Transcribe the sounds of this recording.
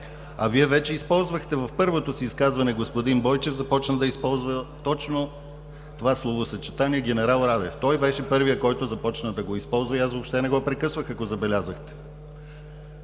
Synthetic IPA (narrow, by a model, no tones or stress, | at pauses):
ɐ̰viɛvɛt͡ʃɛispɔlˠzvəxt̪ɛvɐfpɤɾvot̪osiːskazvɐnɛɡospod̪inbɔjt͡ʃɛvzɐpɔt͡ʃnəd̪ɐispɔlˠzvət̪ɔt͡ʃno | t̪ovaslˠovosɐt͡ʃɛt̪aniɛɡʲɛnɛɾalˠɾad̪ɛft̪ɔjbɛʃɛpɤɾvijəkɔjt̪ozɐpɔt͡ʃnəd̪ɐɡoispɔlˠzvɐiasvopʃt̪ɛnɛɡɔpɾɛkɤsvəxɐkozɐbɛlʲazəxt̪ɛ̥